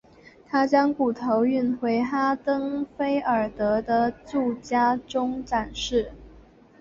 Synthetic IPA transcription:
t̪ʰa˥t͡ɕjɑ˥ŋku˨˩t̪ʰo˧˥ʊy˥˩nxwe˧˥ɪt̪ʰa˥t̪ɤ˥ŋfe˥ɪə˞˨˩t̪ɤ˧˥d̪ə˧t͡su˥˩t͡ɕja˥ʈ͡ʂʊ˥ŋʈ͡ʂa˨˩nʂɻ̩˥˩

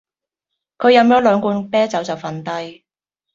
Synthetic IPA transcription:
kʰɵ˨˧ɥjɐ˨˧mjœː˨˥lœː˨˧ŋkuː˧npɛː˥t͡sɐ˨˥wt͡sɐ˨wfɐ˧nt̪ɐ˥j

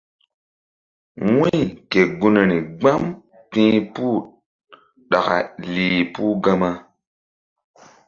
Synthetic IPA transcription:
wũ˦jke˨ɡu˦ne˨ni˨ɡ͡ba˦m | pĩ˦pu˦˨ | ɗa˨ka̰˨liː˨pu˦ɡa˦ma˦

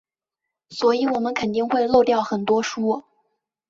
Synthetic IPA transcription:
swɔ˧˥i˨˩wɔ˨˩mə˦nkʰə˨˩nt̪i˥˧ŋxwe˥˧ɪlo˥˧ʊt̪jɑ˥˩ʊxə˨˩nt̪wɔ˥ʂu˥˧

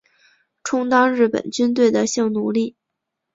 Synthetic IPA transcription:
ʈ͡ʂʰʊ˥ŋt̪ɑ˥ŋɻɻ̩˥˩pə̰˨˩nt͡ɕy˥nt̪we˥˩ɪd̪ə˩ɕjɑ˥˩ŋnu˧˥li˥˩

